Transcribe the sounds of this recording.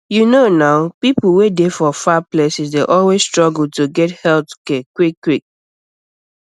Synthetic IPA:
junonaʊpipl̩ˠwedefɔfaplesisdeʔɔlwezstɹ̥ɔɡl̩̚ˠtuɡɛthɛltkɛkwikːwik̚

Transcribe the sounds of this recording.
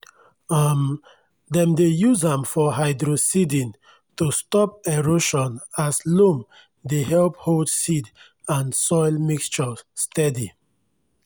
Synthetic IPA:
am | dɛ̃mdejuzãmfɔɦaɪdɹosidĩn | tustɔp̚eɹoʃɔ̃naslũm | dehɛlp̚holdsid | ãnsɔɪlmikst͡ʃɔstʰɛdi

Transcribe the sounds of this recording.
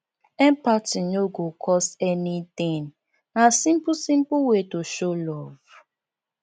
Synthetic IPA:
ɛ̃mpatĩnoɡokʰɔstɛnit̪ĩŋ | nasĩmpusĩmpuwetoʃolɔv̥

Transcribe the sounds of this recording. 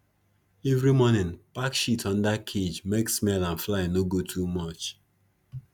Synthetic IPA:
evɾimɔnɪ̃npakʃitʰɔ̃ndakʰed͡ʒmeksmɛlãnflaɪnoɡotʰumɔt͡ʃ

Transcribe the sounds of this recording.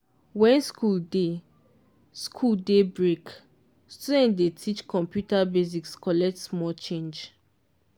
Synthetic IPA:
wɛ̃nskʰulde | skʰuldebɹek | studɛ̃ntdetʰit͡ʃkʰɔ̃mpjutabezikskɔlɛk̚tsmɔlt͡ʃẽnd͡ʒ

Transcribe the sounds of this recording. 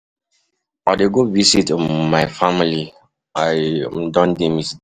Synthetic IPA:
adeɡovisitmaɪfamili | aɪdɔ̃ndemis

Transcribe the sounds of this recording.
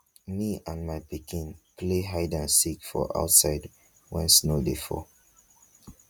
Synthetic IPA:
miãnmaɪpikʰĩnpʰleɦaɪdãnsikfɔ̰ʔa̰ʊtsaɪd | wɛ̰̃nsnodefɔ̰

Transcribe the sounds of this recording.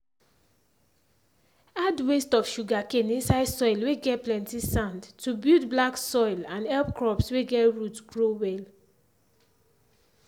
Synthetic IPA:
adwestɔfʃuɡakẽnĩnsaɪsɔɪlweɡɛt̚plɛ̃ntisãndtubultblaksɔɪlãnɛlpkɹɔpsweɡɛtɹutɡɹowɛl

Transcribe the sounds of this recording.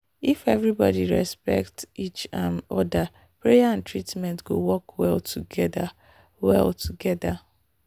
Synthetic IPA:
ifevɹibɔ̰diɹɛspɛ̰k̚tit͡ʃãnɔda | pɹejaãntɹitmɛ̃ntɡ̥owɔkwɛltʰuɡɛda | wɛ̰ltʰuɡɛda

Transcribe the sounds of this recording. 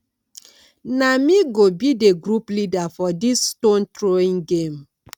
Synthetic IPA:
namiɡobideɡɾuplidafɔdisːton̩tɾoiŋɡem̩

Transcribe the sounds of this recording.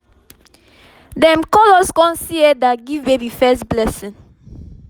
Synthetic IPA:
dɛ̃mkɔlɔskɔ̃nsiɛdaɡivbebifɛstblɛsĩn

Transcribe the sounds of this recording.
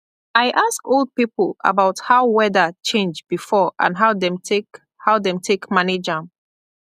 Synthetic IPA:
aɪʔaskolˠd̚pipəla̰baʊthaʊwɛðət͡ʃẽnd͡ʒbifɔʔã̰nɦaʊdɛ̃mk | haʊdɛ̃mtʰekmaned͡ʒãm

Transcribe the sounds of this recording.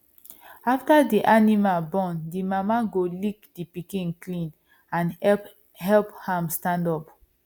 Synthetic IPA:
aftadiʔanimalbɔ̃ndimamaɡolikdipikĩnklĩn | ãn | hɛlphãmstãndɔp

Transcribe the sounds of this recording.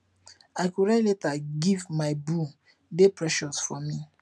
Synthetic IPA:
aɪkuɹaletaɡivmaɪbu | depʰɹɛʃɔsfɔmi

